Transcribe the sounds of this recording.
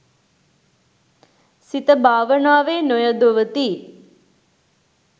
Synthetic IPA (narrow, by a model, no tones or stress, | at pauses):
sit̪əbʱaːʋənaːʋeːnojəd̪oʋət̪iː